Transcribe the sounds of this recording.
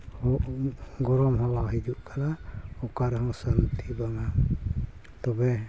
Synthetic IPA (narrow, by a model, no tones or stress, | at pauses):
hɔʔɡɔɾɔmɦɔlaɦid͡ʒuʔkʰalaukaɾɦɔ̃salt̪ʰibaŋa | t̪ɔbɛ